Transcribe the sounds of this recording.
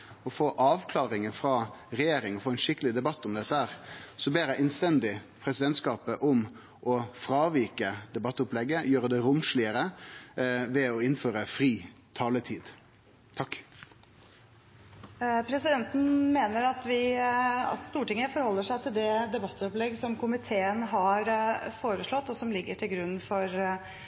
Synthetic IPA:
ɔfoːʔɑːʋkʰlɑːɾɪŋəfɾɑːɾɛjeːɾɪŋɔfoːɛnʂɪkəlɪd̪ɛbɑt̪ːʊmd̪ɛt̪ːəhæːɾsɔbeːɾæɪʔɛnst̪ɛnd̪ɪpʰɾɛsɪd̪ɛnt̪skɑːpəʔʊm | ʔɔfɾɑːʋiːkəd̪ɛbɑt̪ːʊplɛɡːəjøːɾəd̪ɛɾʊmʂɭɪəɾə | ʋɛɔɪnføːɾəfɾiː | t̪ʰɑːlət̪ʰiːd̪ | t̪ʰɑkː | pʰɾɛsɪd̪ɛnt̪n̩meːnəɾɑt̪ʋɪ̰ | st̪uːʈɪŋːəfɔɾhɔlːəʂæɪt̪ʰɪld̪ɛd̪ɛbɑt̪ːɔplɛɡːsɔmkʰʊmɪt̪ʰeːənɦɑɾfoːɾəʂɭɔt̪ːɔsɔmlɪɡːəʈʰɪlɡɾʉnːfɔɾ

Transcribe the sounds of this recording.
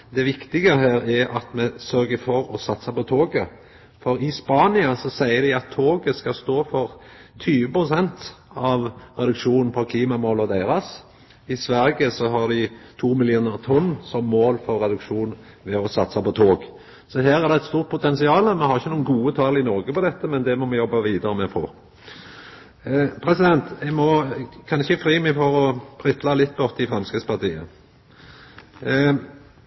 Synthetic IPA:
d̪ɛʋɪkt̪ɪɡəɦæːɾæɾɑt̪mɛsœɾɡəfɔɾɔsɑt̪sɑpɔt̪ʰoːɡə | fɔɾɪspɑːnɪɑsɔsæɪəɾd̪ɪɑt̪ʰːoːɡəskɑst̪oːfɔʁt̪ʰyːʋəpʁʊsɛnt̪ɑʋʁɛd̪ʉkʂuːnn̩pʰɔkʰliːmɑmɔlɔd̪æɪɾɑs | ɪsʋæɾɡəsɔɦɑʁd̪ɪt̪ʰuːmɪlɪuːnəʁt̪ʰɔnːsɔmːoːlfɔɾːɛd̪ʉkʂuːn | ʋɛɔsɑt̪sɑpɔt̪ʰoːɡ | sɔɦæːʁæʁd̪ɛɛt̪st̪uːʁt̪̚pʰʊt̪ʰɛnsɪɑːlmɛhɑʁɪçənuːnɡuːət̪ʰɑlɪnɔɾɡəpɔd̪ɛt̪ːəmɛnd̪ɛmɔmɛjɔbːɑʋiːd̪əɾəmɛfo̰ː | pʰɾɛsɪd̪ɛnt̪ɛɡmɔkʰɑnɪçəfɾiːmæfɔɾɔpʰɾɪt̪ʰlɑlɪt̪̚ːbɔt̪ːəɪfɾɑmskəspɑʁt̪ʰiːə̰

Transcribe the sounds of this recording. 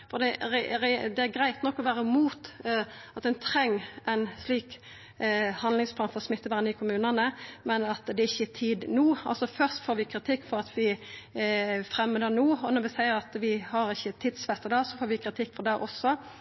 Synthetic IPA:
fɔd̪ɛɾɛɾɛd̪ɛæɾɡɾæɪt̪nɔkːɔʋæːɾəmuːt̪ | ɑt̪ɛnt̪ʰɾɛŋːæɪnsliːk | hɑnlɪŋspʰlɑːnfɔɾɔsmɪt̪ːəʋæːnəɪkʰʊmʉːnənəmɛnɑt̪d̪ɛɪçːət̪ʰiːd̪nuːɑlsɔfœɾst̪foːɾʋɪkʰɾɪt̪ʰɪkːfɔɾɑt̪ʋɪ | fɾɛmːəd̪ɛnuːɔnɔɾʋɪsæɪəɾɑt̪ʋɪhɑɾɪçːət̪ʰiːd̪sʋɛt̪əd̪ɑsɔfoːɾʋɪkʰɾɪt̪ʰɪkːfɔd̪æɾɔsːɔ

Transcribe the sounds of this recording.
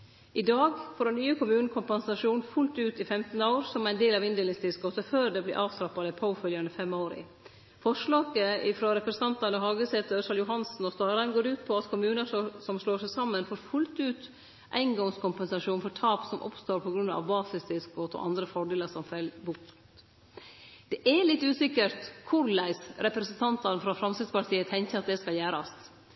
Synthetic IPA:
ʔɪd̪ɑːɡfɔɖɛnnyːəkʰʊmʉːn̩kʰʊmpɛnsɑʂuːnfʉlt̪ʉːt̪ɪfɛmt̪n̩əoːɾsɔmæɪnd̪eːlɑʋɪnd̪eːlɪŋst̪ɪskɡoːt̪əføːɾd̪ɛblɪ̰ːʔɑːʋst̪ɾɑpːɑd̪əɪpʰaʊfœljɑɳəfɛmːoːɾɪ̰ | fɔʂɭɑːɡəɪfɾoːɾɛpɾɛsɑnt̪ɑnəɦɑːɡəsɛːt̪əsɑljʊɦɑnsn̩ɔst̪ɑːɾɑnɡoːɾʉːt̪pʰɔɑt̪kʰʊmʉːnəsɔmʂɭoːʂæɪsɑmːənfoːɾfʉlt̪ʉːt̪ | ʔæ̰ɪnɡɔŋskʊmpɛnsɑʂuːnfɔʈ̪ʰɑːpsɔmʔɔ̰pst̪oːɾpʰɔɡɾʉnɑ̰ʋbɑːsɪsd̪ɪskoːt̪ɔ̰ʔɑ̰nd̪ɾəfɔɖeːləʂɔmfɛlbʊk | d̪̥ɛʔælɪt̪ːʉːsɪkəɾt̪kʰʊɾlæɪsɾɛpɾɛsənt̪ʰɑnt̪ɑnfɾɑfɾɑmsɪd̪spɑʈ̪ʰiːət̪ʰɛŋkəɑt̪̚d̪ɛskɑljæːɾɑ̰s

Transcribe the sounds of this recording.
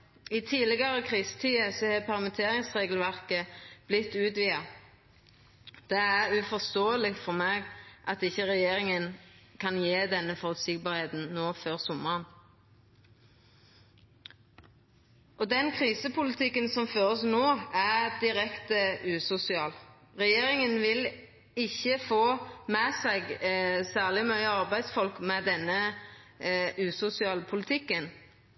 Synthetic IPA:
iːt̪ʰiːlɪɡɑʁəkʰʁiːsə̥t̪ʰiːəsɔhɛːpʰæʁmət̪ʰeːʁɪŋsʁeːɡəlʋæʁkəb̥lɪt̪ːʉːt̪ʋiːɑ | d̪̥ɛæʁʉfɔʁst̪oːəlɪfɔʁmeːɡʔɑt̪ɪçːəʁɛjeːʁɪŋənkʰɑnjeːd̪ɛnːəfɔʁʉt̪sɪɡ̚bɑːʁheːt̪n̩noːføːʁsʊməʁən | ʔɔd̪ɛnkʰʁiːsəpʰʊlɪt̪ʰɪkːənsɔmføːʁəsnoːæʁd̪ɪʁɛkt̪əʉːsʊsɪɑːl | ʁɛjeːʁɪŋənʋɪl | ɪçːəfoːmɛsɛɡsæːʁlɪmœʏəɑʁbæɪd̪sfɔlkmɛd̪ɛnːə | ʉːsʊsɪɑːlpʰʊlɪt̪ʰɪkːən

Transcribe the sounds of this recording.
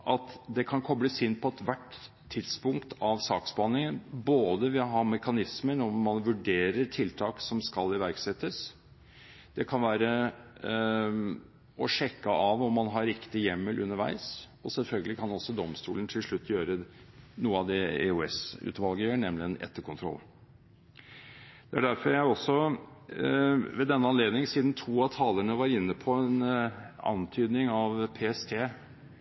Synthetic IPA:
ʔɑt̪d̪ɛkʰɑnkʰɔbələsɪnt̪̚pʰɔɛt̪ʋæʈ | t̪ʰːɪt̪spʊŋkt̪ʰɑʋsɑːkspɑnːɪŋənboːd̪əʋɪɦɑɾmɛkɑnɪsmənɔmːɑnʋʉɖeːɾəɾʈʰɪlt̪ʰɑːksɔmskɑlɪʋæɾksɛt̪ːəs | d̪̥ɛkʰɑnʋæːɾə | ɔʂɛkːəɑʋɔmːɑnɦɑɾɪkt̪ɪjɛmːəlʔʉ̰nːəɾʋæ̰ɪs | ɔsɛlfœlɡəlɪkʰɑnɔsɔd̪ɔmst̪ṵːlən̩t̪ʰɪlʂɭʉt̪ʰːjøːɾə | nuːəɑd̪ɛḛʉɛsʉ̰ːt̪ʋɑlɡəjøːɳɛmlɪɛnɛ̰t̪ːəɾkʰʊnt̪ʰɾɔ̰lː | d̪̥ɛæɖæɾfɔɾjæɪɔsːɔ | ʋɛd̪ɛnːəɑnleːd̪nɪŋsiːd̪n̩t̪ʰuːɑt̪ʰɑːləɳəʋɑɾɪnːəpʰɔɛnɑ̰nt̪ʰyːd̪nɪŋɑʋpʰeːɛst̪ʰeː

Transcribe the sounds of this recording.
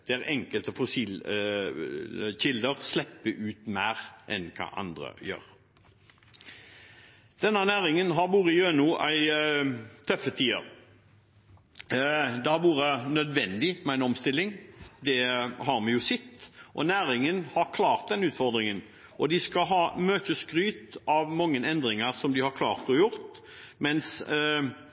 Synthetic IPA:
d̪̥ɛæɾɛŋkəlt̪əfʊsiːl | çɪld̪əɾslɛpːəʔʉːt̪mæːɾʔɛ̰nkʰɑ̰ʔɑ̰nd̪ɾə̰jø̰ːɾ | d̪̥ɛnːənæːɾɪŋənɦɑɾbuːɾəɪøːnuːʔæɪ | t̪ʰœfət̪ʰiːə̰ɾ | d̪ɛhɑɾʋuːɾənœd̪ʋɛnd̪ɪmɛæɪnɔmst̪ɪlːɪŋd̪ɛhɑɾmɛjʊːsɪt̪ːʔɔ̰næːɾɪŋənhɑɾkʰlɑːɾt̪̚d̪ɛnʉːt̪fɔɾd̪ɾɪŋən | ʔɔd̪ɪskɑɦɑːmøːt̪əskɾyːt̪ɑʋmɑŋːənɛnd̪ɾɪŋəɾsɔmd̪ɪhɑɾkʰlɑ̰ːʁt̪ɔjʊɾt̪ | mɛns

